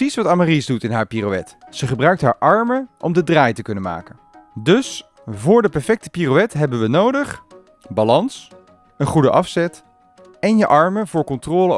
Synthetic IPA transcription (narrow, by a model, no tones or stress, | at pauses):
isʋɑtamarizdutɪnɦaːɹpirowɛ̰tsəχəbrœɥk̚tɦaːɹʔɑɹməʔɔmdədraːjtəkɵnənma̰ːkən | dɵs | vʊːɹdəpɛɹfɛk̚tə̥pirowɛtɦɛbənʋənowdəχ | balɑns | ənχudəʔɑfsɛt | ɛnjəʔɑɹməvʊːɹkɔntrɔːlə